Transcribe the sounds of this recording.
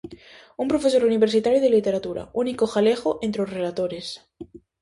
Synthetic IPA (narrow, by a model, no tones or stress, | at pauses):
umpɾo̞fe̞soɾuniβ̞eɾsit̪aɾjoð̞elit̪eɾat̪uɾa̰unikoxalexoʔent̪ɾeosrelat̪oɾes